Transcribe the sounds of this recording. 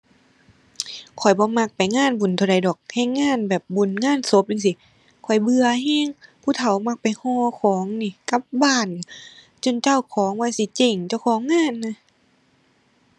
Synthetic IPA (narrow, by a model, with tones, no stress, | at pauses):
kʰɔ˨˩jbɔː˧˦ma˧˩k̚pa˨jŋaː˧˥˨nbu˨nt̪ʰa˧wda˨jdɔː˨˩k̚hɛ˧˩jŋaː˧˥˨nbɛː˨˩p̚bu˨˩˨nŋaː˧˥˨nso˧˦p̚ʔa˧ŋs̬i˧˦ | kʰɔ˨˩jbɯ˧ɐɦɛː˧˥˨ŋpʰuː˧˨t̪ʰa˧˩wma˧˩k̚pa˨jhɔː˧˩kʰɔː˨˦ŋniː˧˩ka˧˦p̚baː˧˩˨nːi˧˩ | t͡ɕo˧˨nt͡ɕa˧˥˨wkʰɔː˨˦ŋwaː˧˨si˧˦t͡ɕe˧˩ŋt͡ɕa˧˩˨wkʰɔː˨˦ŋːaː˧˥˨nːa˧